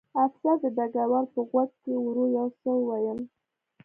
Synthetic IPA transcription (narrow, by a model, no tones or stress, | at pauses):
afsad̪əd̪aɡawaɾpəɣwad̪̚kewuɾojawsəwwajəm